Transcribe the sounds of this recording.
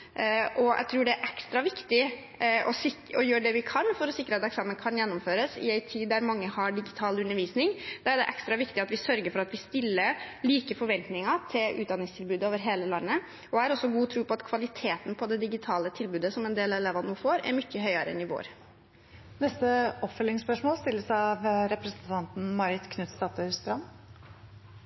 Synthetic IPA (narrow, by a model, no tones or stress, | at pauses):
ʔɔæ̰ɪt̪ʰɾuːɖɛæɾʔɛkst̪ɾɑʋɪkt̪ɪ | ɔɪɔjøːɖɛʋɪkʰɑnfɔɾɔsɪkːɾəɑt̪ɛksɑːmənkʰɑnjɛnːɔmføːɾəsɪ̰æɪt̪ʰiːd̪ːæɾmɑŋːəhɑɖɪɡɪt̪ʰɑːlʉnəɾʋiːsnɪŋd̪̥ɑæɖɛʔɛkst̪ɾɑʋɪkt̪ɪɑt̪ʋɪsœɾɡəɾfɔɾɑt̪ʋɪst̪ɪlːəɾliːkəfɔɾʋɛnt̪nɪŋɑt̪ʰɪlʉ̰ːd̪ɑnɪŋst̪ʰɪlbʉːd̪əoːʋəɾɦeːləlɑnːə | ɔæɾɔsːɔɡuːt̪ʰɾʉːpɔɑt̪kʰʋɑlɪt̪ʰeːt̪n̩pʰɔd̪ɛd̪ɪɡɪt̪ʰɑːlət̪ʰɪlbʉːd̪əsɔmɛnd̪eːlɛleːʋɑnuːfoːɾɛ̰ɾmʏçːəɦœʏɑɾəɛ̰nɪʋo̰ːɾ | nɛst̪əɔpfœlːɪŋspœʂmoːlst̪ɪlːəsɑɑʋɾɛpɾəsənt̪ʰɑnt̪n̩mɑɾɪt̪kʰnʉt̪st̪ɑːt̪əst̪ɾɑmː